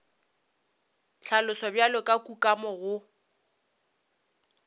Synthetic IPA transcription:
ɬʰalʊsɔbjalɔkʼakʼukʼamɔɣʊ

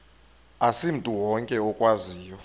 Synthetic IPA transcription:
asim̩tʼuwɔŋkʼɛɔkʼwaziːjɔ

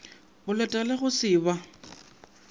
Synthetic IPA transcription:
ʊlɛtʼalɛɣʊsɪːba

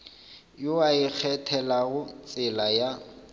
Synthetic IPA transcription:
jʊaɪk͡xʰɛtʰɛlaɣʊt͡sʼɪlaja

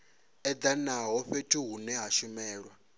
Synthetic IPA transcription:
ɛd̪anaɦɔɸetʰuɦunɛɦaʃumɛːɺwa

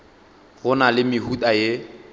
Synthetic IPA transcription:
ɣʊnalɪmɪɦutʼaje

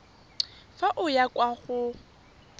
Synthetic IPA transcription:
faʔʊjakʼwaɣʊ

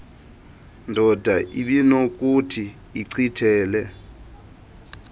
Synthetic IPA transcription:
ndʱɔdʱaʔiɓinok̬ʼutʰiː | ǀʰitʰɛːlɛ

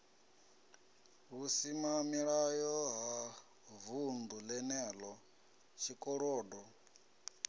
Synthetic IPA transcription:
βusimamiɺajɔɦa | vundulɛnɛːlɔ | t͡ʃʰikʼɔɺɔːdɔ

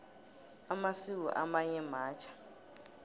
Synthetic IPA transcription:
amasik̬ṵʔamaɲɛmaːt͡ʃʰḁ

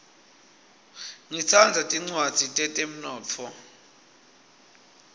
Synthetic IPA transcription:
ŋit͡sʰand͡zʱatʼiŋ͡ǀwad̥ʱitʼɛtʼem̩nɔːt͡fʰɔ

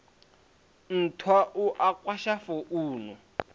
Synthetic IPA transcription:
n̩tʰwaʔuʔakwaʃafɔʔuːnɔ

